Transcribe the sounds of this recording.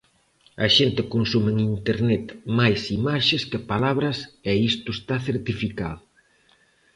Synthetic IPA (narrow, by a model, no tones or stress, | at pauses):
ɐʃent̪ɪkonsumeŋint̪eɾnet̪majsimaʃeskepalaβɾɐsɛist̪ʊest̪aθeɾt̪ifika̰ðʊ